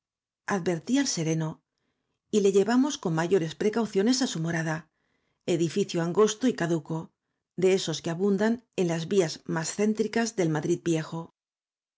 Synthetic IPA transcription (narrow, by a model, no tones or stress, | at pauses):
aðbe̞ɾt̪ialse̞ɾe̞no̞ | ile̞ʝe̞βamo̞sko̞mmaʝo̞ɾe̞spɾe̞kawθjo̞ne̞sasumo̞ɾaða | e̞ðifiθjoaŋɡo̞st̪oikaðuko̞ | d̪e̞e̞so̞skeaβund̪ane̞nlazβiazmasθe̞nt̪ɾikazðe̞lmaðɾid̪̚bje̞xo̞